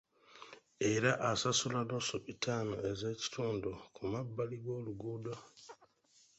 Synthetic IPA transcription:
eɾaʔasasulanosupitʰaːnoeze̞ci̥tʰuːndukumabːaliɡo̞ːluɡudo

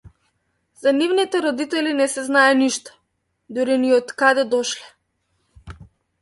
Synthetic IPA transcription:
zanivnit̪ɛɾɔd̪it̪ɛlinɛsɛznajɛniʃt̪ɔ̥ | d̪uɾiniɔt̪kad̪ɛd̪ɔʃlɛ

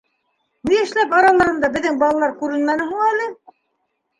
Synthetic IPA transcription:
niɘ̆ʃlæpɑɾɑlˠɑɾɤ̆nd̪ɑbɘ̆ðːɘŋbɑlˠɑlˠɑɾkʉɾɘ̆nmænɘ̆ɦuɴælɘ

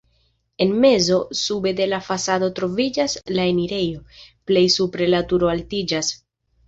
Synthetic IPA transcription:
e̞nme̞zo̞sube̞de̞lafasado̞tɾo̞vid͡ʒaslae̞niɾe̞jo̞ple̞jsupɾe̞latuɾo̞altid͡ʒas

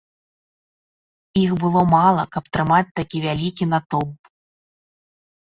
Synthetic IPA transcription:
ixbɨlˠɔmalˠɐkɐp̚t̪ɾɨmat͡sʲt̪akʲivʲalʲikʲinat̪ɔb

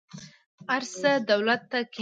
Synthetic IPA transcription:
aɾsəd̪awlat̪ːakʰ

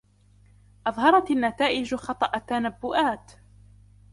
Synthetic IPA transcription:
ʔɑðˤhɑɾˤɑt̪anːat̪aːʔɪd͡ʒxɑt̪ˤɑʔat̪ːanabːʊʔaːt̪

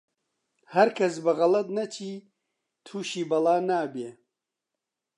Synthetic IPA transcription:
hɐɾkʰɐs̬bɐɣɐlɐt̪̚nɐt͡ʃʰiː | t̪ʰuːʃiːbɐlaːnaːbeː

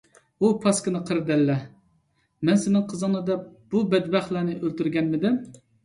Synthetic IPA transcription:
upʰɑskənɨqʰəɾɨd̪ɛlːɛ | mɛnsɪnɪŋqʰəzɨnɨd̪ɛb̥ubɛd̪bæχlˠænɪʔølt̪yɾɡʲɛnmɪd̪ɪm

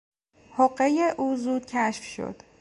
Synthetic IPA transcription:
hoɢejeʔuːzuːd̪̥̚cʰæʃfʃo̰d̪̥

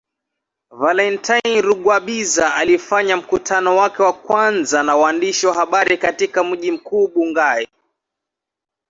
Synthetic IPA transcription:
valɛntʰajnɾuɠwaɓizaalifaɲam̩kutʰanɔwakɛwakwanzanawaandiʃiwaɦaɓaɾikatikam̩ʄim̩kuːɓuŋɡai

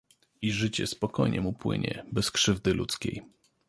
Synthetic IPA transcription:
iʐɘt͡ɕɛspɔkɔjɲʔɛmupwɘ̰ɲɛ̰bɛskʂɘvd̪ɘlut̪skʲej

